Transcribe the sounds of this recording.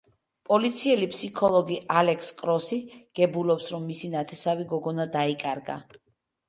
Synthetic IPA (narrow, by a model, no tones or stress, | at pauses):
pʼɔlit̪sʰiɛlipʰʼsikʰɔlˠɔɡialɛkʰskʼɾɔsiɡ̥ɛbulɔpsɾɔmːisinat̪ʰɛsaviɡɔɡɔnad̪aikʼaɾɡa̰